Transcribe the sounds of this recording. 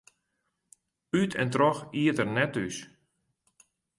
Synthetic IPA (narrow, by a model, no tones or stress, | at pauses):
ytʰɛ̰ntrɔxiətərnɛtys